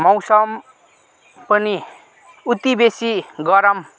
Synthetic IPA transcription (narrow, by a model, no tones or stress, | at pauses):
mʌwsʌm | pʌni | ut̪ibesiɡʌɾʌm